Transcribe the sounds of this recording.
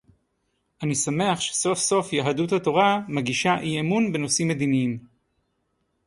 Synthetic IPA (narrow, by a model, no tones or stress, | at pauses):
ʔanisame̞aχʃe̥so̞fso̞fjaɦaduthato̞ʁamaɡiʃaʔiemunbeno̞simːed̪iniim